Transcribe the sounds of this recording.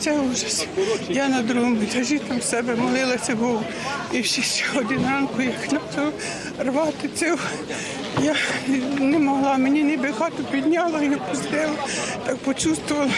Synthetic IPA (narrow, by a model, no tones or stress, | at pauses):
sɛuʒɐsʲjɑnɐd̪ɾuɦʊmt̪ʲɐʒit̪ɐmsɛbɛmɔlˠɪlˠɐsʲɐbɔw | iwsʲixsʲɔɔd̪ɪnrɑnkʊjaxnɑt͡s̪ɔ | rʋɑt̪ɪsɪw | janemɔɦlˠɑmenʲinɛbexɑt̪ɪpʲid̪ʲnʲɑlˠɐjɛpɔzlʲɪlˠɐt̪ɑk̚pɔt͡ʃust̪ʋʊʋɐlˠɐ